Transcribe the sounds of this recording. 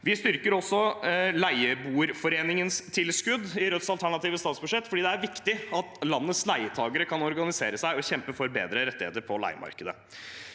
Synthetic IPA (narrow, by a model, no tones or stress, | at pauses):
ʋɪst̪ʏɾkəɾɔsːɔlæɪəbuːɾfɔɾeːnɪŋənst̪ʰɪlskʉd̪ːɪɾœt̪sɑlt̪ʰæɳɑt̪iːʋəst̪ɑːt̪sbʉʂɛt̪ːfɔɖiːd̪ɛæɾʋɪkt̪ɪɑt̪lɑnːət̪slæɪət̪ʰɑːɡəɾəkʰɑnɔɾɡɑnɪseːɾəsæɪɔçɛmpəfɔɾbḛːd̪ɾəɾɛt̪ːɪhḛːt̪əɾpʰɔlæ̰ɪəmʔɑ̰ɾkəd̪ə̰